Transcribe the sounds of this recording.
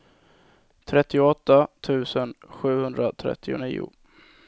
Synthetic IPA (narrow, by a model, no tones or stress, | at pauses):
t̪ʰɾɛt̪ːɪʊɔt̪ːat̪ʰʉ̟ːsənɧʉ̟ːhɵnd̪ɾat̪ʰɾɛ̰t̪ʰːɪʊ̰nḭːʊ̰